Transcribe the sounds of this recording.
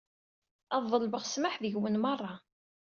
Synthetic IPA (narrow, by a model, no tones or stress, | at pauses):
ɑðˤːəlbəʁsmaħðəʝwənmɑrˤːɑ